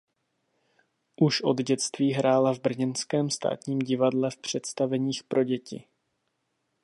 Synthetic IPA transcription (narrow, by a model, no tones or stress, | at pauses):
ʔuʃʔo̞d̪ɟɛt͡st̪viːɦɾaːlavbr̩ɲɛnskɛːmst̪a̰ːt̪ɲiːmɟɪvadlɛfpr̝̥ɛt̪st̪avɛɲiːxpɾʔo̞ɟɛcɪ̰